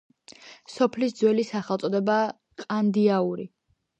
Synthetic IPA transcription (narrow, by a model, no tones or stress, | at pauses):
sɔpʰlisd̪zwɛlisaχɛlˠt̪sʼɔd̪ɛba | qʼand̪iauɾi